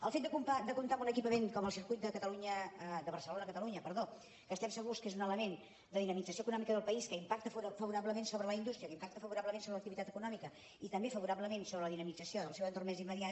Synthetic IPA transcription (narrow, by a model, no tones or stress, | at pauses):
əlˠfet̪̚d̪əkumpad̪əkunt̪amunəkipəmeŋkɔməlˠsiɾkujt̪̚d̪əkət̪əluɲəəd̪əβərsəlonəːkət̪əluɲəpəɾðo | kəst̪ɛmsəɣ̞uskezunələmen | d̪əðinəmid͡zəsioəkunɔmikəðəlˠpəiskəimpak̚t̪əffəβuɾaβləmensoβɾələind̪ust̪ɾiəkəimpak̚t̪əfəβuɾaβləmensoβɾələk̚t̪iβit̪at̪əkunɔmikə | it̪əmbefəβuɾaβləmensoβɾələðinəmid͡zəsioðəlˠsɛwənt̪ormɛzimːəðia